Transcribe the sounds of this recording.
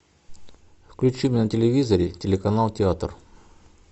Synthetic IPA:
fklʲut͡ʃimʲinɐt̪ʲelʲevʲizɐɾʲitʲelʲekɐnalˠt̪ʲɛat̪r

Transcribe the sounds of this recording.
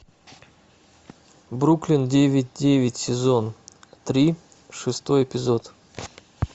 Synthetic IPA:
bɾuklʲɪndʲevʲɪt̚ʲdʲevʲɪtʲsʲɪzont̪ɾʲi | ʂɨst̪o̞jɪpʲɪzot̪

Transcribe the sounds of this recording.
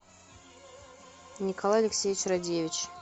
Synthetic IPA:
nʲɪkɐlˠajɐlʲɪksʲejʲɪt͡ɕradʲevʲɪt͡ɕ

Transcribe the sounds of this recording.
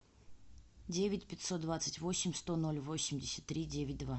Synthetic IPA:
dʲevʲɪtʲpʲɪtʲso̞t̪̚d̪vat̪sɨtʲvo̞sʲɪmʲst̪ono̞lʲvo̞sʲːɪmʲdʲɪsʲə̥t̪ːɾʲidʲevʲɪt̚ʲd̪va

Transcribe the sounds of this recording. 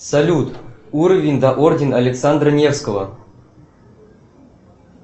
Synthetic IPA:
sɐlʲut̪uɾəvʲɪnʲd̪aʔordʲɪnɐlʲeksand̪rənʲefskəvə̰

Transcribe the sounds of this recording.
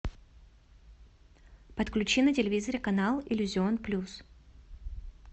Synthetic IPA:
pət̪klʲʉt͡ɕinətʲɪlʲɪvʲizəɾʲɪkɐnalˠɪlʲʊzʲɪonplʲus

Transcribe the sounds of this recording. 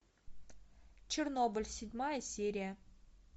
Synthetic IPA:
t͡ɕɪrnobɨlʲsʲɪdʲmajəsʲeɾʲijə

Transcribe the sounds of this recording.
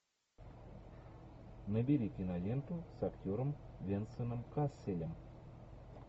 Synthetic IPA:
nəbʲeɾʲikʲinalʲent̪usaktʲoɾəmvʲent̪sɨnɨmkasʲelʲəm

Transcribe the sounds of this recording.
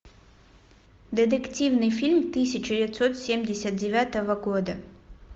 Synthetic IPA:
d̪ʲɨd̪ɨktʲivnɨjfʲilʲmt̪ɨsʲɪt͡ɕɪdʲɪvʲɪt̪so̞t̪sʲemʲdʲɪsʲət̪̚dʲɪvʲat̪əvəɡod̪ə

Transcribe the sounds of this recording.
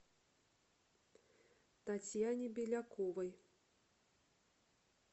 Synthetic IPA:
t̪at͡sʲjanʲibʲɛlʲakʰɔvɐj

